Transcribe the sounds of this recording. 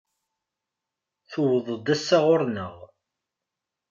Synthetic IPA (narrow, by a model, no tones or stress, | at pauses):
θuwðˤəd̪æsːaʁʊɾnəʁ